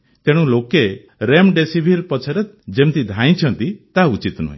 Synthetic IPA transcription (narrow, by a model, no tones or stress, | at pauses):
t̪eɽ̃ũloke | ɾemɖesibʱiɾpɔt͡ʃʰɔɾe | d͡ʒemt̪id̪ʱãj̃t͡ʃʰɔnt̪it̪aut͡ʃit̪nṵɦḭ̃